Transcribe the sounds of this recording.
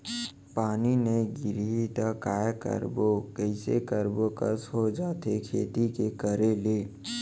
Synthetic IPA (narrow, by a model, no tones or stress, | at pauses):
paːnineɡɪɾɦit̪akaːjkə̰ɾbokəɪsḛkəɾbokə̰sɦod͡ʒaːt̪ekʰeːt̪ikekəɾeleː